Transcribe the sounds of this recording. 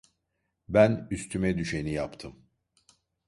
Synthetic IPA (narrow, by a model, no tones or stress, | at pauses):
bænyst̪ʰymɛd̪yʃe̞nijapt̪ʰɯm